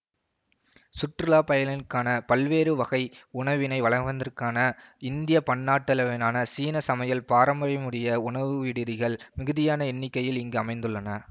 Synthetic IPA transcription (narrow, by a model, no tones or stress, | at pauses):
sʊʈrɯlaːpɐjɐlɪnkːaːnɐpɐlʋeːɾɯʋɐɣɐɪʊɳɐʋɪnɐɪʋɐɭɐŋʋɐnd̪ɐrkaːnɐɪnd̪ɪjɐpɐɳːaːʈːɐlɐʋɪnaːnɐsiːnɐsɐmɐjɐlpaːɾɐmbɐɾɪmɯɽɪjɐʊɳɐʋɯʋɪɽɪðɪɣɐɭmɪɣɯðɪjaːnɐɛnːɪkːɐjɪlɪŋɡɯɐmɐɪnd̪ɯɭːɐnɐ